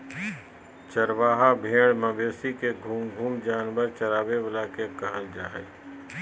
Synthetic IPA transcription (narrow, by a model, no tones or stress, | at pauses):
t͡ʃəɾʋaːɦabʱeːɽ̃mɐbeːsikeɡʱuːmɡʱuːmd͡ʒaːnʋəɾt͡ʃəɾaːbeʋəlakekəɦəld͡ʒaːɦḛː